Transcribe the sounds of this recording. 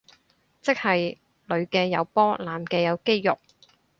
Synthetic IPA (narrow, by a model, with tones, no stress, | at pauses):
t͡sɪ˥k̚hɐ˨j | lɵ˨˧ɥkɛː˧jɐ˨˧wpɔː˥laː˨mkɛː˧jɐ˨˧wke˥jːʊ˨k̚